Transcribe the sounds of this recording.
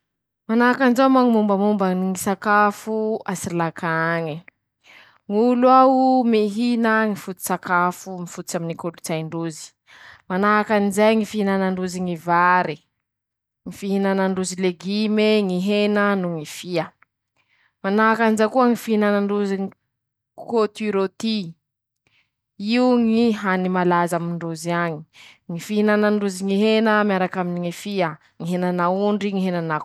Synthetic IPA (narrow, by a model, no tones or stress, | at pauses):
manaakanzamaŋimumbəmumbaniŋisakafuasiilakʰaɲi | ŋulwaumiɦinəŋifut̪i̥sakafumifut̪t͡ʃaminikolut͡sajɳɖ͡ʐuzi̥ | manaɦakanizajŋifiɦinanaɳɖ͡ʐuziŋivaɾi | ŋifiɦinanəɳɖ͡ʐuzileɡimeŋiɦenənuŋifiə | manaakanizakuəŋifiinanaɳɖ͡ʐuziɲi | kot̪iɾot̪i | iuŋiɦanimalazamiɳɖ͡ʐuziaɲi̥ŋifiɦinanaɳɖ͡ʐuziŋiɦenəmjaɾakaminiŋifiə | ŋiɦenanauɳɖ͡ʐiŋiɦenana